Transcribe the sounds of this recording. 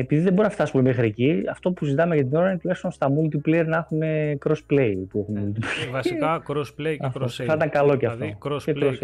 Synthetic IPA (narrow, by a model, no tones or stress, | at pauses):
epiðiðebo̞ɾunɐft̪ɐsumemexɾieciɐft̪o̞puszit̪ɐmeʝɐt̪̬ino̞ɾɐinet̪ule̞kst̪onst̪ɐmult̪iplejeɾnɐxunekɾo̞spleipue̞xunmult̪iple | ɐfθɐit̪ɐŋkɐlo̞ceɐfftocekɾos